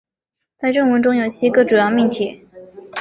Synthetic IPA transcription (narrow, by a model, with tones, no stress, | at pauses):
t͡sa˥˧ɪʈ͡ʂə˥˧ŋwə˧˥nʈ͡ʂʊ˥ŋjo˨˩ʊt͡ɕʰi˥ɡə˧ʈ͡ʂu˨˩jɑ˥˧ʊmi˥˧nt͡ɕ̪ʰjɛ̰˥˩